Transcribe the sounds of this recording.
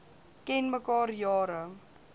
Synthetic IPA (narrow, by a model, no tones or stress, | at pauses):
kɛnməkɑːrjɑːɾə